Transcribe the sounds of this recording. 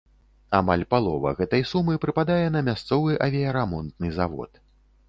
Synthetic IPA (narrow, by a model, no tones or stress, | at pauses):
amalʲpalˠɔvɐ̰ɣɛt̪ɐjsumɨpɾɨpad̪ajɛn̪ɐmʲast̪sɔvɨʔɐvʲiɐɾamɔnt̪̚nɨzavɔ̰t̪